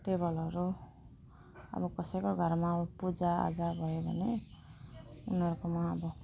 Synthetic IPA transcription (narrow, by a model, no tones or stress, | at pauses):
ʈebʌlʌɾu | ʌ̰bʌkʌsʌjkoɡʱʌɾmapud͡zaa̰d͡zabʱʌjebʱʌne | unʌɾukomaʌbʌ